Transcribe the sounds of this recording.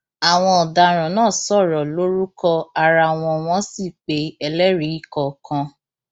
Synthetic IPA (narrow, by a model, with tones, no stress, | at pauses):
a˨w̃ɔ̃˧ɔ˨da˨˧ɾ̃ɔ̃˨nãː˦˨sɔ˦˨ɾɔ˨lo˦ɾu˦kɔ˧a˧ɾa˧˨w̃ɔ̃˧w̃ɔ̃˦si˦˨k͡pe˨˦ɛ˧lɛ˦ɾi˨˦i˦kɔ˧kʰã˧